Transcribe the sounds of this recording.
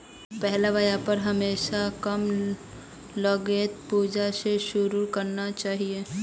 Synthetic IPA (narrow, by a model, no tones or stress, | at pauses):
pɛɦlaʋəjapɐɾɦɐmeːʃakɐm | ləɡeːt̪̚puːd͡ʒaseʃʊɾuɾkɐɾnat͡ʃaːɦie